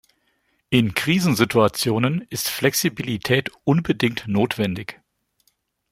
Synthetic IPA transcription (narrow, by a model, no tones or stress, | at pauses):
ʔɪnkʁ̥iːzn̩zɪtuat͡sjoːnənɪstflɛksibilitʰɛːtʔʊnbədɪŋtnoːtv̥ɛndɪç